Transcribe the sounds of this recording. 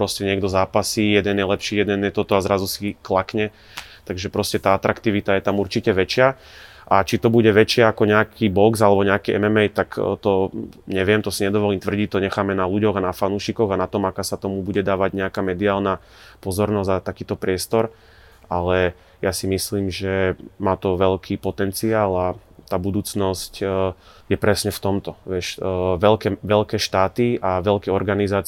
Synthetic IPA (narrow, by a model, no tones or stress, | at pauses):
pɾɔscɛɲɪɛɡd̪ɔzaːpasijɛd̪ɛnjɛlɛpʃiːjɛd̪ɛnjɛt̪ɔt̪ɔazɾazusiklakɲɛ | t̪aɡʒɛpɾɔscɛt̪aːat̪ɾakt̪iʋit̪ajɛt̪amuɾt͡ʃicɛʋɛt͡ʃɪa | ʔat͡ʃit̪ɔbuɟɛʋɛt͡ʃɪaakɔɲɛakʰibɔɡzalɛbɔɲɛakiːʔɛ̰mɛmɛjt̪akt̪ɔɲɛʋɪɛmt̪ɔsiɲɛd̪ɔʋɔliːmt̪ʋr̩ɟit̪ɔɲɛxaːmɛnaluɟɔɣanafanuːʃikɔɣanat̪ɔmakaːsat̪ɔmubuɟɛd̪aːʋaɟɲɛakamɛd̪iaːlna | pɔzɔɾnɔzzat̪akiːt̪ɔpɾɪɛst̪ɔɾ | alɛ | jasimisliːmʒɛmaːt̪ɔʋɛʎkʰiːpɔt̪ɛnt͡siaːlat̪aːbud̪uːt͡snɔsc | jɛpɾɛsɲɛft̪ɔmt̪ɔʋɪɛʃʋɛlkɛʋɛʎkɛːʃt̪aːt̪iʔaʋɛʎkɛɔɾɡanizaːt͡s